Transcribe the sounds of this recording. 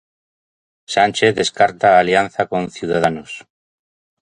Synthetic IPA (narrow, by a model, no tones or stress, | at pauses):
sanʲt͡ʃeθðe̞skaɾt̪aːljan̟θako̞nθjuð̞aðanos